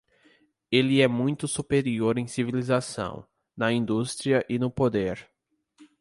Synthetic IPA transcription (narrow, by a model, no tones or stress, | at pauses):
elɪɛmũj̃t̪ʊsupeɾioɾẽj̃sivilizasɐ̰̃w̃ | nɐĩnd̪ust̪ɾiɐʔɪnʊpod̪eɾ